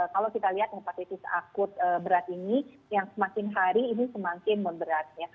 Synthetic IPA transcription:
əkalawkit̪aliɦat̪̚ŋapat̪it̪ɪsa̰kʊt̪̚əbəɾat̪ini | jaŋsəmakɪnɦaɾiːnisəmakɪnmʊnbəɾat̪̚ɲa

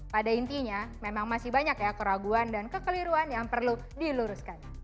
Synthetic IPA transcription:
padaint̪iɲamemaŋmasɪhbaɲakjakəɾaɡuandankəkəliɾuanjaŋpərlu | diluɾʊskan

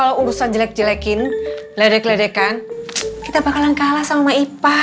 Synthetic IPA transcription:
alawuɾusand͡ʒəlɛk̚d͡ʒəlɛkɪnladɛkladɛkankit̪abakalankalasamamaipa

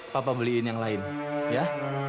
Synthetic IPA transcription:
papabəliɪnjaŋlaɪnja

